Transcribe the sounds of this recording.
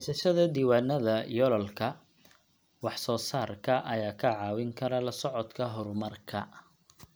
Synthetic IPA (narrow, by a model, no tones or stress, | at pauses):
sɐʃɐðɐd̪iːwaːnːɐðɐjɔlɔlkʰɐ | wɑħsɔːsaːrkʰɐʔɐjaːkʰɐʕɑːwɪŋkʰɐɾɐlɐsɔʕɔd̪kʰɐɦɔɾmɐrkʰɐ̰